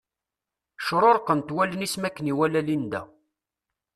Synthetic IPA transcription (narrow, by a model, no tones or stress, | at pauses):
ʃɾˤoɾqːənt̪wælːənismækːəniwælælind̪æ̰